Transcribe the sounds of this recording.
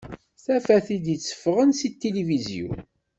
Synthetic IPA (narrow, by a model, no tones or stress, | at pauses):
θæfæθid̪jit͡sːə̥fʁənsit̪ːelivizjṵn